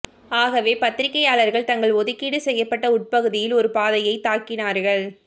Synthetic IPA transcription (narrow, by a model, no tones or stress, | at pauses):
aːɣɐʋeːpɐt̪ːɪɾɪkːɐjaːɭɐɾɣɐɭt̪ɐŋɡɐɭɔðɯkːiːɽɯsɛjːɐpːɐʈːɐʊʈ̚pɐɣɯðɪjɪlɔɾɯpaːðɐjɐɪt̪aːkɪnaːɾɣɐɭ